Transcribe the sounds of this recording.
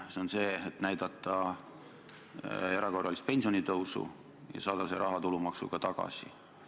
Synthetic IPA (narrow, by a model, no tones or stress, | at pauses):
seonse̞ːet̪næjd̪̥ɑt̪ˑːɑ | e̞ɾɑko̞rːɑlist̪̚pe̞nʲsio̞nit̪ɤwsṵ | jɑ̰sɑːd̪̥ɑseɾɑɦɑt̪ulumɑksṵɡ̥ɑt̪ɑɡ̥ɑ̰sḭ